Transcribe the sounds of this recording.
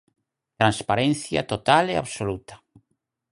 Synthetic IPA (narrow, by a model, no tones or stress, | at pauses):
t̪ɾãnspaɾẽnθja̰t̪ot̪alea̰βsolut̪ḁ